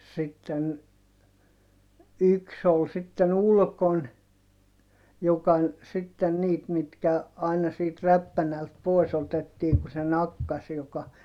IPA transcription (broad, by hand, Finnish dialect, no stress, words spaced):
sitːen yks ol sitːen ulkon jokɑ sitːen niːt mitkæ ɑinɑ siːt ræpːænælt poi̯s otetːiːŋ ku se nɑkːɑs jokɑ